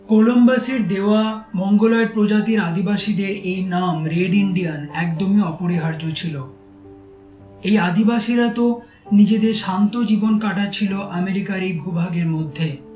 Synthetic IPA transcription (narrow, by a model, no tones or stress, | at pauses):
kolombaseɾd̪eoamɔŋɡolɔeɾpɾod͡ʑat̪iɾad̪ibaʃid̪eɾejnamɾeɖiɳɖijanɛkd̪omiɔpoɾiɦaɾd͡ʑot͡ɕʰilo | ejad̪ibaʃiɾat̪o | nid͡ʑed̪eɾʃant̪od͡ʑibonkaʈat͡ɕʰiloʔameɾikaɾejbʱubʱaɡeɾmod̪ʱːe